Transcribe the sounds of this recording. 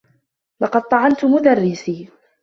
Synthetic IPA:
lɑqɑd̪̚t̪ˤɑʕɑnt̪ʊmʊd̪arːɪsiː

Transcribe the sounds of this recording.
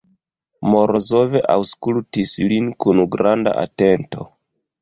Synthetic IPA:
moɾʔozove̞ʔawskultislinkunuɡɾanda̰ʔa̰te̞nto̞̰

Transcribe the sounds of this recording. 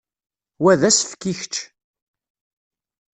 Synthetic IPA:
wæðæsfkːiçt͡ʃː

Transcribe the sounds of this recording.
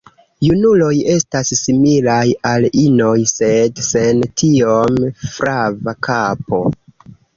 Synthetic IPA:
junulo̞je̞stassimilajalino̞jse̞dse̞ntʰiomfɾavakapo̞

